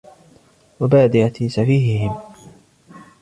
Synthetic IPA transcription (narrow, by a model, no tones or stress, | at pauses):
wabaːd̪ɪʔat̪isafiːɦɪhɪm